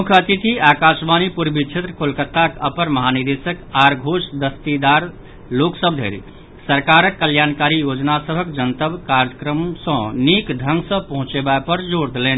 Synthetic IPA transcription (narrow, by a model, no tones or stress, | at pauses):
mukʰət̪it̪iakasbanipuɾbʱit͡ʃʰet̪ɾəkolkət̪ːakəpəɾməɦaniɾd̪esəkaɾɡʱosd̪əst̪id̪aɾ | loksəbʱd̪ʱḛɾḭ | səɾkaɾəkːəljankaɾijod͡ʒnasəbʱəkd͡ʒənt̪əbkaɾəkɾəmsə̃nikd̪ʱəŋɡsə̃pəɦũt͡ʃebaepəɾd͡ʒoɾd̪eleni